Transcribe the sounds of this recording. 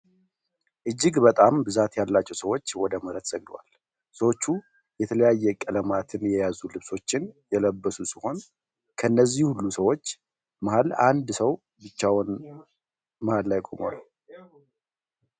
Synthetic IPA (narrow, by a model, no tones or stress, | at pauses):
ʔɨd͡ʒːɪɡbət̪ʼambɨzat̪jalːat͡ʃːɛwsəwo̞t͡ʃːwɔd̪əməɾət̪z̥əɡd̪wa̰l | səwo̞t͡ʃːu | jɛt̪ʰələjajːɛkʼələmat̪ʰɨnjɛjazulɨβso̞t͡ʃːɪnjɛləbːəsusiho̞n | kʰənːəzːihhulːusəwo̞t͡ʃː | məhaland̪səw | bɨt͡ʃːawn | məhalːajkʼo̰mo̰ləw